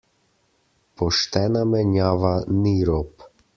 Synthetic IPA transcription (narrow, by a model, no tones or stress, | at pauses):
pɔʃt̪ɛnamɛɲavaniɾɔp